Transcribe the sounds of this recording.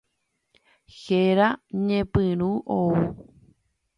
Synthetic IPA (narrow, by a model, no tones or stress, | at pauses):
xeɾaɲẽpɨ̃ɾ̃ũʔou